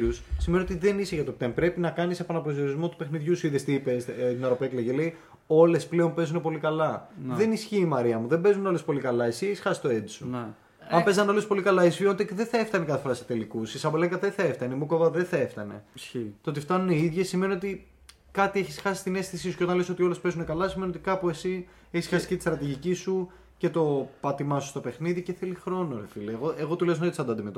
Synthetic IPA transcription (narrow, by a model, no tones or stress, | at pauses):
ɾussimenio̞t̪̬iðe̞niseʝɐt̪op̚t̪empɾe̞pinɐkɐnisepɐnɐpɾozio̞ɾizmo̞t̪upe̞xniðʝusuiðest̪ipest̪inɐɾopekleʝelei | o̞le̞sple̞o̞mpe̞zune̞po̞likɐlɐðe̞nisçiːmɐɾiɐmuðe̞mbe̞zuneo̞le̞spo̞likɐlɐesieçisxɐsi̥st̪o̞e̞d̪isu | ɐmpe̞zɐneo̞lespo̞likɐlɐisfiont̪eðeθɐeft̪ɐnekɐθefoɾɐset̪e̞likusisɐboleŋɡɐtðeθɐeft̪ɐneimukovɐðeθɐeft̪ɐne̞̰t̪ot̪ift̪ɐnuneiðʝesime̞nio̞t̪i | kɐt̪ieçisxɐsist̪ine̞st̪isisuceot̪ɐnleso̞t̪io̞le̞spe̞zune̞kɐlɐsimeniot̪ikɐpue̞si | eçisxɐsi̥cet̪ist̪ɾɐt̪iʝicisu | ce̞t̪o̞pɐt̪imɐsu̥st̪o̞pe̞xniðice̞θelixɾo̞no̞ɾefileːɣoʔeɣo̞t̪uleznot̪t̪sɐnd̪oɐnd̪imet̪o